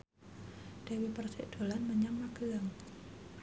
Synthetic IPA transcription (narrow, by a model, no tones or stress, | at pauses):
d̥awipərsɪʔd̪̥o̤lanməɲammaɡəaŋ